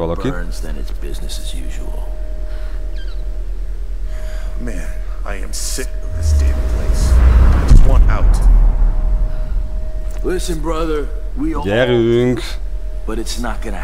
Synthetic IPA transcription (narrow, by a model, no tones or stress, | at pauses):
ɔlobki˞nzðɨ̃nɨ̰tsb̥ɪznɨsɨzjʉ̰ʒə̰l̩ˠ | mæ̃n | aɪɨ̰̃msɪkɨnðɪsd̥ɛvpʰl̥eɪsd͡ʒʌstwʌ̃nta̰ʊt | lɪsɨ̃nbɹʌðə˞ | wijɛɾʉŋk | b̥ʌɾɨtsnət̚ɡ̥ʌnɨ